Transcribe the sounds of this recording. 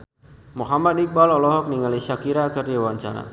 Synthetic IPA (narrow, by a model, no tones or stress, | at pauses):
muhamat̪ik̚balɔlɔɦɔk̚niŋaliʃakiɾakərdawaɲt͡ʃa̰ɾa̰